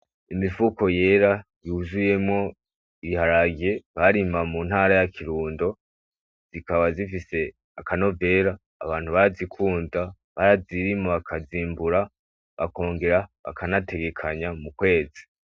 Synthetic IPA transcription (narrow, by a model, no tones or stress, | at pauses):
imifuko̞je̞ːɾajuːzuje̞mŋo̞ | iihaɾaɡe̞βaɾimamun̥haɾajakiɾuːndo̞ | z̥ikaβazifise̞ | akano̞ve̞ːɾaːβaːn̥huβaɾazikʰuːnda | βaɾaziɾimoβakʰaziːmbuɾa | βa̰ko̞ːŋɡe̞ɾaβa̰kʰanate̞ɡe̞kʰaɲamukwe̞ːd͡zi